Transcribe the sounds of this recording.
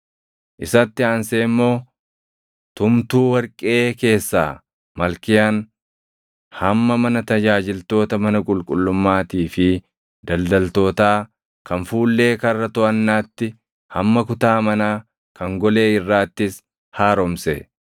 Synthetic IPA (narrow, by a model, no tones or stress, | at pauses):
ʔɪsɐt̪ːɪaːnseːmːo̞ː | t̪ʊmt̪uːwɐɾkʼe̞ːke̞ːsːa̰ː | mɐlkɪjaːn | hɐmːɐmɐnɐt̪ɐd͡ʒaːd͡ʒɪlt̪o̞ːt̪ɐmɐnɐkʼʊlkʼʊlːʊmːaːt̪iːfɪ | d̪ɐld̪ɐlt̪o̞ːt̪aː | kɐnfuːlːe̞ːkɐrːɐt̪ʊʔɐnːaːt̪ːɪ | hɐmːɐkʊt̪aːmɐnaː | kɐŋɡɔle̞ːɪrːaːt̪ːɪs | haːɾɔmsɛ